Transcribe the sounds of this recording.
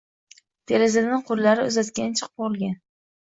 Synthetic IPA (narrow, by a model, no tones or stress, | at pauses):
t̪ʰeɾɪzad̪ɪɴqʰʊɾlaɾɪʊzat̪kʲant͡ʃʰɨ̥q̚bolˠɡʲan